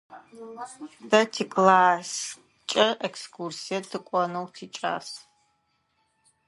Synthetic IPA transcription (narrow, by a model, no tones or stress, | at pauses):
dɐtʰikʼlaːs | t͡ʃʼɐʔɛkskʰursijɐtʰɨkʷʼɔnɐwtʰiːt͡ʃʼa̰ːs